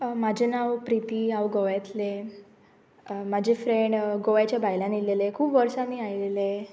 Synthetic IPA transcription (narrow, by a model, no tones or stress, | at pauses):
mad͡ʑʱenawpɾit̪iaʋɡoʋjat̪le | mad͡ʑʱefɾeɳɖɡoʋjat͡ɕjabajlãnilelekʰuːpʋəɾsaniajlele